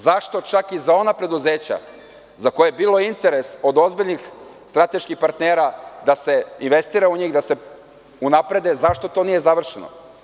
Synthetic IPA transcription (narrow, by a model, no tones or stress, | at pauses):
zaʃt̪o̞t͡ʃakizao̞napɾe̞d̪uze̞ːt͡ɕa̰ | zako̞jeebiːlˠo̞int̪e̞ɾe̞so̞d̪o̞zbiʎnixst̪ɾat̪e̞ʃkixpaɾt̪neːɾad̪ase̞inʋe̞st̪iːɾauɲiːɣd̪ase̞ | unapɾe̞d̪e̞zaʃt̪o̞t̪o̞nije̞zaʋr̩ʃeno̰